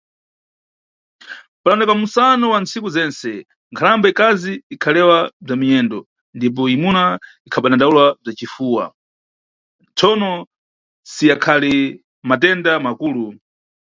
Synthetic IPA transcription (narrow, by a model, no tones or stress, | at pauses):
palanɛkamusanɔwant͡sikuzɛnsɛ | ŋkʰaɾambɛikaziːkʰalɛwab͡ʐamiɲɛndɔ | ndip̬ɔimuna | ikʰaɓanandaulwab͡ʐat͡ʃifuːwa̰ | t͡sʰɔnɔ | sijakʰali | mat̬ɛndamakuːlu